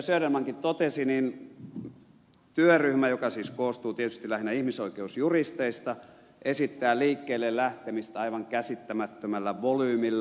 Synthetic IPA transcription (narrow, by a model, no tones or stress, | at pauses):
søøɾemːæŋkit̪t̪ot̪esinin | t̪yøryhmæjokɑsiːskoːst̪uːt̪iet̪yst̪ilæhinːæihmisoikeusjurist̪eist̪ɑ | ʔesit̪ːæːliːkːeːlːellæht̪emist̪æɑiʋɑŋkæsit̪ːæmæt̪ːømælːæʋolyːmilːæ